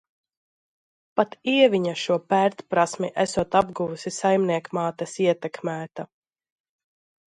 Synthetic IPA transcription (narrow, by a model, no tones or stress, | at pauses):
pat̪iɛvʲiɲaʃuɔpæɾt̪pɾasmiʔæsuɔt̪abɡuvusisajmniɛkmaːt̪ɛsiɛt̪ɛkmæːt̪a